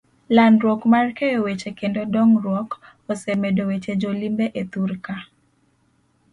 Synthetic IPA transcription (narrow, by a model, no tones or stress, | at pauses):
landɾwɔkmarkejowet͡ʃekendodɔŋɾwɔk | ɔsemedowet͡ʃed͡ʒolimbeʔet̪uɾka